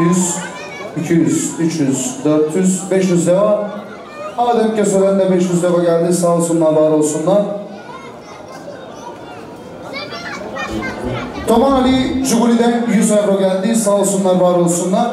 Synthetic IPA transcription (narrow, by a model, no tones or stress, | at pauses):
jyz | icʰijyzyt͡ʃʰjyzd̪øɾt̪ʰjyz̥bɛʃjyzd̪eva | amad̪ɛp̚cøselɛnd̪ɛbɛʃjyzd̪evaɟælʲd̪iːzsaːlˠɯsunlˠaɾvaːɾo̞lˠsunlˠaɾ | t̪ʰo̞malʲid͡ʒuɡuɾʲid̪ɛnjyzɛvɾo̞ɟælʲd̪iːzsaːlˠɯsunlˠaɾvaːɾo̞lˠsunlˠaɾ̥